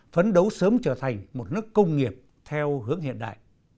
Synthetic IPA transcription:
fə˨˦nɗə˨˦wsəː˨˦mt͡ɕəː˧˩t̪ʰa˨˩jŋ̟mo˨˩t̚nɨ˦˥əkːə˧wŋ͡mŋi˨˩əp̚ | t̪ʰɛ˧whɨ˨˦əŋɦḭ˧˨ənɗa̰ː˧˨jʔ

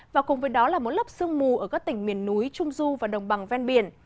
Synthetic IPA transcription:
vaː˨˩kʊ˨˩ŋ͡mvəː˨˦jɗɔ˨˦laː˨˩mo˨˩t̚lə˦˥p̚sɨ˧əŋmu˨˩ʔəː˧˩kaː˦˥k̚t̪ï˧˩ŋ̟mi˨˩ənːu˨˦jt͡ɕʊ˧ŋ͡mzu˧vaː˨˩ɗə˨˩wŋ͡mɓa˨˩ŋvɛ˧nɓi˧˩ən

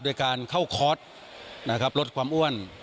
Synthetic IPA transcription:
du˧˩əjkaː˧nkʰa˥˩wkʰɔː˦˥t̪̚ | na˦˥kʰa˦˥p̚lo˦t̪̚kʰwaː˧mʔu˥˩ən

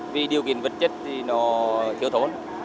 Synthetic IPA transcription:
vi˨˩ɗi˨˩əwki˧˨ənvə˨˩t̚t͡ɕə˦˥t̚t̪ʰi˨˩nɔ˨˦t̪ʰi˧˩əwt̪ʰo˨˦n

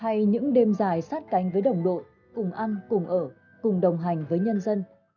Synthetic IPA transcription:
ha˧jɲɨ̰˧˥ŋɗe˧mzaː˨˩jsaː˦˥t̚ka˨˦jŋ̟vəː˨˦jɗə˨˩wŋ͡mɗo̰˧˨j | kʊ˨˩ŋ͡mʔa˧nkʊ˨˩ŋ͡mʔəː˧˩ | kʊ˨˩ŋ͡mɗə˨˩wŋ͡mɦa˨˩jŋ̟vəː˨˦jɲə˧nzə˧n

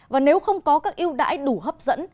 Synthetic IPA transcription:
vaː˨˩ne˨˦wxə˧wŋ͡mkɔ˨˦kaː˦˥k̚ʔi˧əwɗa̰ː˧˥jɗu˧˩ɦəː˦˥p̚zə̰˧˥n

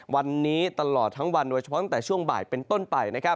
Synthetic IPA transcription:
wa˧nːiː˦˥t̪a˧lɔː˨˩t̪ʰːa˦˥ŋwa˧ndoː˧t͡ɕʰa˧pʰɔ˦˥t̪t̪ːt͡ɕʰu˥˩əŋba̰ː˨˩jpe˧nt̪o˥˩npa˧jna˦˥kʰa˦˥p̚

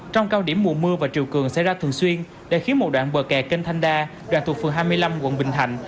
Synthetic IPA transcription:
t͡ɕɔ˧wŋ͡mkaː˧wɗi˧˩əmːṵ˧˨mɨ˧əvaː˨˩t͡ɕḭ˨˩əwkɨ˨˩əŋsɛ̰˧˥jzaː˧t̪ʰɨ˨˩əŋswi˧ən | ɗḛ˧˩xi˨˦ənmo˨˩t̚ɗwa̰ː˧˨nɓəː˨˩kɛ˨˩ke˧nt̪ʰa˧jŋ̟ɗaː˧ɗwa̰ː˧˨nt̪u˨˩fɨ̰˨˧˩ŋɦaː˧jmɨ˧əjla˧mwə̰˧˥nɓï˨˩ŋ̟t̪ʰa˨˧˩jŋ̟

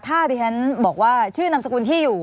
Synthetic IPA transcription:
t̪ʰaː˥˩diː˧t͡ɕʰa˦˥nbɔː˨˩k̚waː˥˩t͡ɕʰɯː˥˩na˧msa˧ku˧nt̪ʰiː˥˩juː˨˩

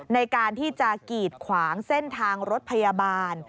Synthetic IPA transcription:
na˧jkaː˧nt̪ʰiː˥˩t͡ɕa˨˩kiː˨˩t̪̚kʰwaː˩˦ŋse˥˩nt̪ʰaː˧ŋɾo˦˥t̪̚pʰa˧ja˧baː˧n

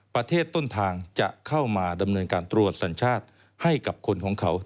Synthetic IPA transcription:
pɾa˧t̪ʰeː˥˩t̪ːo˥˩nt̪ʰaː˧ŋt͡ɕa̰˨˩ʔkʰa˥˩wmaː˧da˧mnɤː˧nkaː˧nt̪ɾu˨˩ət̪̚sa˩˦nt͡ɕʰaː˥˩t̪̚ | ha˥˩jka˨˩p̚kʰo˧nkʰɔː˩˦ŋkʰa˩˥w

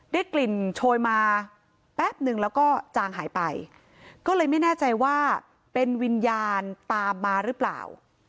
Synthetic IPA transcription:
daː˥˩jkli˨˩nt͡ɕʰoː˧jmaː˧ | pɛː˥˩p̚nɯ˨˧˩ŋlɛː˦˥wkɔː˥˩t͡ɕaː˧ŋɦa̰ː˩˦jpa˧j | kɔː˥˩lɤː˧jma˥˩jnɛː˥˩t͡ɕa˧jwaː˥˩ | pe˧nwi˧njaː˧nt̪aː˧mːaː˧ɾɯ˦˥pla̰ː˨˩w

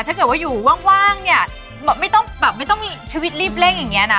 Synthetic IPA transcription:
a˥˩ɤ˨˩t̚waː˥˩juː˨˩waː˥˩ŋwaː˥˩ŋni˥˩ɐ | ɛː˨˩ma˥˩jt̪ɔ˥˩ŋbɛː˨˩p̚ma˥˩jt̪ɔ˥˩ŋmiː˧t͡ɕʰi˧wi˦˥t̪̚ɾiː˥˩p̚le˥˩ŋja˨˩ŋːi˦˥ɐna˦˥

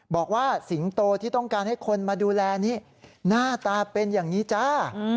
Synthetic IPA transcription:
bɔː˨˩k̚waː˥˩si˩˦ŋt̪oː˧t̪ʰiː˥˩t̪ɔ˥˩ŋkaː˧nha˥˩jkʰo˧nmaː˧duː˧lɛː˧niː˦˥ | naː˥˩t̪aː˧pe˧njaː˨˩ŋniː˦˥t͡ɕa˦˥

